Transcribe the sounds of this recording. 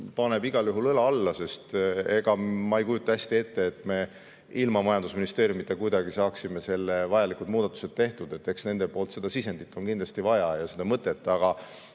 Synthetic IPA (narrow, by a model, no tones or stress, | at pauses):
pɑne̞biɡ̥ɑljuɦulɤlɑɑlːɑse̞st̪e̞ɡ̥ɑmɑejkujut̪ːˑɑæsʲt̪ie̞t̪ːe̞ːt̪ːˑme̞ | ilmɑmɑjɑnd̪̥usminist̪e̞ːɾjumit̪ːˑekujd̪ɑɡisɑːksime̞se̞lːevɑjɑlikud̪̥muːd̪̥ɑt̪ːˑu̥se̞d̪̥̚t̪ːe̞ht̪ud̪̥e̞t̪ːe̞ksne̞nd̪epo̞ːlt̪se̞d̪̥ɑsise̞nd̪̥it̪ːˑo̞nkind̪lɑst̪ivɑjɑjɑsed̪̥ɑmɤt̪ːˑe̞t̪ːˑɑɡ̥ɑ